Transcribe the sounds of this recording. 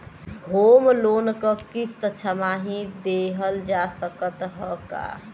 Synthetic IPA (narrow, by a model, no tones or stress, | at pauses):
ɦomlonkəkist̪ət͡ʃʰamaɦĩd̪eɦəld͡ʒasəkət̪ɦəka̰